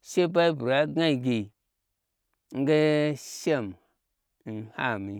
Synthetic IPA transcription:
se˦ba˦i˦bu˨ɾa˨ɡa˦i˨ɡi˨ | ŋ̩˦ɡa˦ʃe˦˨m˨˦ | nha̰˦˨mi˨

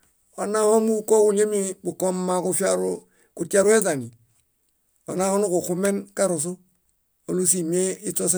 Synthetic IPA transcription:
o˨na˦ho˦mu˦˨ko˦ku˨lje˦mi˦bu˨ko˦mːa˨ku˦fa˦ɾu˦ | kuta˦ɾu˦e˦ta˨ni˨ | o˨na˦ho˦nu˦ku˨xu˦me˦nka˦ɾo˨s̬u˦ | o˨lu˦s̬i˨mie˦i˦to˦s̬

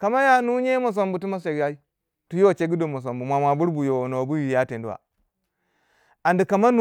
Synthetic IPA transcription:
ka˨ma˦ja˨nu˦ɲe˦mo˨s̬o˨mbu˨tu˦ma˦s̬e˨ɡja˦i˦ | tu˦jo˦wt͡ʃe˦ɡi˦do˨mo˨s̬o˨mbu˨mʷa˨mʷa˨bu˦ɾbu˨jo˨no˨bu˦ji˨ja˦te˨ndu˦wa̰˨ | a˨ndi˨ka˨ma˦nu˦

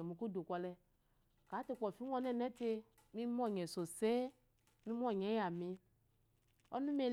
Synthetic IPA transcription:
ɛ˨mu˨ku˦do˨kʷɔ˧lɛ˧ | ka˨˦te˧k͡pɔ˨fi˦ɔ˧nɛ˦˨nɛ˨˦te˧ | mi˧m˦ɔ˦˨ɲɛ˨so˨se˦ | mi˧˦m˦ɔ˦˨ɲɛ˨˦ja˨mi˧ | ɔ̰˦nũ˦m˦e˧

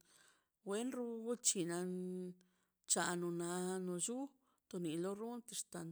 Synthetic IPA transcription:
we˦nɾu˧ɡu˦t͡ʃi˧na˧ | t͡ʃa˧no˨na˧no˨d͡ʒu˦ | t̪o˨˧ni˨lo˦ɾu˦nt̪e˧ʂt̪a˧n

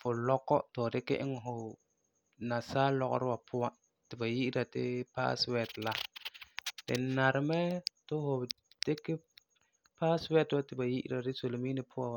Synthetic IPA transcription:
fʊ˨lɔ˦kːɔ˦tʊ˨dɪ˦kɪ̰˦ʔɪ˦ŋ˨ɦʊ˨ | na˨saː˦lɔ˨ɣʊ̰˦ɾɪ˦wa˨pʰʊ˦wa˦ | tɪ˨ba˨ji˦ʔɪ˦ɾa˨dɪ˦pa̰ː˦swɛ˨dla˦ | d̥ɪ˨na˨ɾɪ˨mɛ˦tʊ˦hʊ˨ | d̥ɪ˦kɪ˦ | pa˦swɛ˦dtɪ˨ba˨ji˦ʔɪ̰˦ɾa˨dɪ˦so˨lo˨miː˦nɪ˨pʰʊ˦a˨

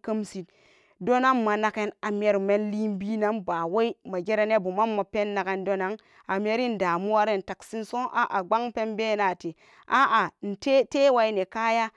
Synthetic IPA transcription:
kə˦msi˨t | do˦na˦mːa˨na˨ke˦na˨m˦e˦ɾme˦nli˦mbi˦na˦mba˨we˦i˦ma˨d͡ʒe˦ɾe˦ne˦bu˨ma˦mːa˨pe˦nːa˨ke˦ndo˦na˦ŋ | a˨m˦e˦ɾi˦n˨daː˨mu˦wa˦ɾe˦n˨ta˨ksi˦nso˦ʔa̰˨ʔa˨ɡ͡ba˦ŋpe˦nbe˦na˨ti˨ | ʔa˦ʔa˨n̩˨te˦te˦wa˨i˦ne˨ka˦ja˦

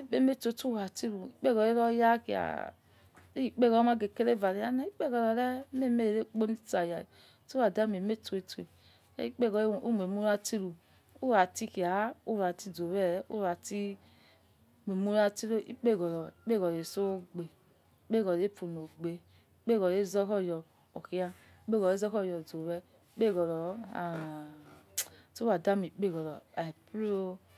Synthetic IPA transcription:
i˦k͡pe˦me˦to˨tu˦a˨ti˦ɾu˨i˦k͡pe˦ɣɔ˨ɾe˦ɾɔ˦ja˦ki˨a̰˨ | i˦i˨k͡pe˦ɣɔ˨˦ma˦ɡe˨ke˦ɾe˦˨va˨ɾi˨ja˦na˦i˦k͡pe˦ɡɔ˨ɾɔ˨ɾɛ˦me˦˨me˦e˨ɾe˦k͡po˦ni˦ta˨ja˨ | tu˦a˨da˦m˨e˨me˦tu˨e˨tu˨ḛ˨˦ | i˦k͡pe˦ɡɔ˨˦˨o˦m˨e˨mu˦ɾa˦ti˦ɾu˨ | u˦ɾa˨ti˦ki˨a˨˦u˦ɾa˨ti˦do˨wɛ˦˨ṵ˦ɾa˨ti˦ | mʷ˨e˨mu˦ɾa˧ti˦ɾo˦ʔḭ˦k͡pe˦˨ɡɔ˨ɾɔ˨i˦k͡pe˦˨ɡɔ˨ɾe˨so˦ɡ͡be˨˦ | k͡pe˦˨ɡɔ˨e˦pu˨no˨ɡ͡be˨ | i˦k͡pe˦˨ɡɔ˨e˦zɔ˦kɔ˦˨jɔ˨ | o˨ki˦a˧˦ | k͡pe˦ɡɔ˨e˦zɔ˦kɔ˦˨jɔ˨d͡zo˨wɛ˦ | i˦k͡pe˦˨ɡɔ˨ɾɔ˨a˨ | so˦a˨da˦mi˨˦k͡pe˦˨ɡɔ˨ɾɔ˨a˨pɾo˦

